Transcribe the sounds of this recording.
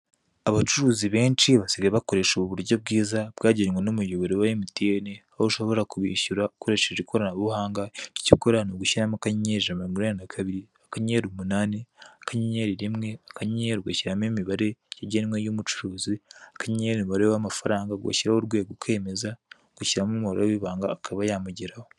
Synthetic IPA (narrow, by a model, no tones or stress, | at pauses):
aβat͡ʃuɾuːziβe̞ːnt͡ʃiβasiɡeβako̞ɾe̞ʃoβuβuɾɟob̚ɡiːzabɡaːɟeɾwenomujoβoɾewajimitieneahouʃo̞βo̞ɾakuβiʃuɾakoɾe̞ʃeʒikʰoɾanaβuhaːŋɡaci̥ciko̞ɾanoɡuʃiɾamakaɲɲeʒamaiɡuɾenanakʰaβiɾiakaɲeɾumunaːneakaɲɲeɾiɾimŋe̞akaɲeɾuɡaciɾamimiβaɾe̞jaɟeɾimwejomut͡ʃu̥ɾuːziakaɲɲeɾiiβaɾewamafaɾaːŋɡaɡwa̰ciɾahoɾɡweːɡukʰe̞ːme̞za | ɡ̥uciɾamumiβaɾeweβiβaːŋɡakʰaβajamuɟiɾaho